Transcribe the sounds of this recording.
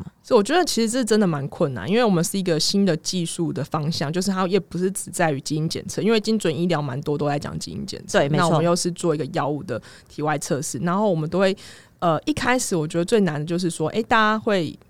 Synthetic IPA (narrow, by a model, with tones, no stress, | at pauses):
swɔ˥i˨wɔ˨˩t͡ɕɥɛ˧d̪ə˨t͡ɕʰi˧˥ʂɻ̩˧˥t͡sə˥˧ʂʈ͡ʂə˦nd̪ə˨˩ma˧˦nkʰwə˥˩na̰˨˦ni˥nwe˥˩ɪwɔ˨˩mə˨˦nʂɻ̩˥˩i˧˥ɡə˨ɕi˦˥nd̪ə˨t͡ɕi˥˧ʂu˥˩d̪ə˩fɑ˥ŋɕjɑ˥˨ŋt͡ɕjo˥˧ʊʂ̬̩˥˩t̪ʰa˥˩jɛ˨˩pu˧˥ʂɻ̩˥˩t͡sɻ̩˨˩t͡sa˥˩ɪy˧˥t͡ɕi˥i˧˥nt͡ɕjɛ̰˨˩nt͡sʰɤ˥˧˦i˥nwe˥˩ɪt͡ɕi˥ŋt͡swə˨˩ni˥˩ljɑ˧˥ʊma̰˧˦nt̪wɔ˥t̪o˥ʊla˧˥ɪt͡ɕjɑ̰˨˩ŋt͡ɕḭ˥ḭ˧˥nt͡ɕjɛ̰˨˩nt͡sʰə˥˧a˥˩˨ə˦jo˥˧ʊʂɻ̩˥˧t͡swɔ˥˨i˧˥ɡə˨jɑ˥ʊu˥˩d̪ə˩ | t̪ʰi˨˩wa˥˧ɪt͡sʰɤ˥˧ʂɻ̩˥˩na˧˥nxo˥˩ʊwɔ˨˩mə˨˦nt̪o˥ʊxwe˥˩ɪ | ə˨i˥˩kʰa˥ɪʂɻ̩˨˦wɔ˨˩t͡ɕɥɛ˧˥d̪ə˧˦t͡swe˥˩ɪna˧˥nd̪ə˨˩t͡ɕjo˥˧ʊʂ̬ɻ̩˥˩swɔ˦ʔḛ˥˩ɪt̪a˥˨t͡ɕa˥xwe˥˩ɪ